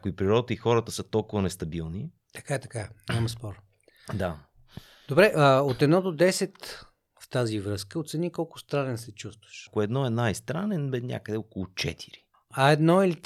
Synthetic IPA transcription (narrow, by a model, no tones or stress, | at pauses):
akʊipɾiɾɔt̪əixɔɾət̪əsət̪ɔlˠkʊvənɛst̪ɐbilˠni | t̪ɐ̥kaɛt̪ɐkaɲʲamɐspɔɾ | d̪a | d̪̥obɾɛʔəot̪ɛd̪nɔd̪od̪ɛsɛt̪ | ft̪azivɾɤskəot̪sɛnʲikɔlˠkʊ̥st̪ɾanɛnsɛt͡ʃust̪vəʃkʊɛd̪nɔɛnajst̪ɾanɛnbɛznʲja̰kəd̪ɛokʊlˠʊt͡ʃɛ̰t̪ʰi̥ɾi | ɐɛd̪nɔili